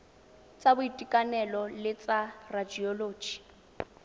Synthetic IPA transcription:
t͡sʼabʊitʼikʼanɛlɔlɪt͡sʼarad͡ʒiɔloːd͡ʒi̥

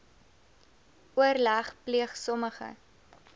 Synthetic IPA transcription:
uərlæχpliəχsɔməχə̰

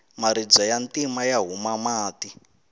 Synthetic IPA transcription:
maɾid͡zɔjantimajaɦumamaːti

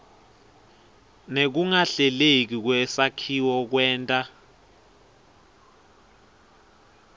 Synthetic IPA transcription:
nek̬uŋaɬɛlek̬ik̬wɛsakʰiwɔk̬wɛːntʼa

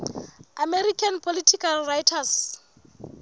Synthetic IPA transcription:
amɛrikʰanpʰolitʰikʰalrajtʰas

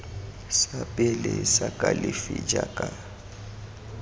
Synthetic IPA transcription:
sapʼɪlɛsakʼalɪfid͡ʒakʼa

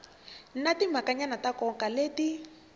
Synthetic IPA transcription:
n̩natim̤akaɲanatakɔkaleːti

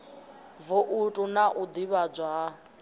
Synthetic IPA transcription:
vuʔutʼunaʔud̪iβad͡ʒwa

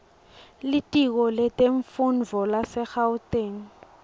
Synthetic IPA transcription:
litʼik̬ɔlɛtʼeɱfunvʱɔlasɛxawuteːŋ̩

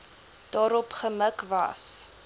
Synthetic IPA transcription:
d̥ɑːɾɔpχəməkvɐ̰s

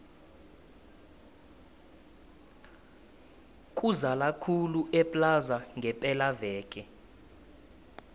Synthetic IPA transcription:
kʼuzalakʰuluʔɛpʼlazaŋɡʱɛpʼɛlavɛːkʼɛ

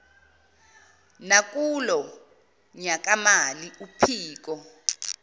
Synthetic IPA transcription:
nak̬ʼulɔ | ɲak̬ʼamaliupʰiːk̬ɔ

